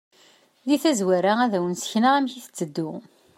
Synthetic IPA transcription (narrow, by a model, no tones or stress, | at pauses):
ðiθæzwæɾaæðæwənsə̥çnaʁæmçiθə̥t͡sːəd̪ːu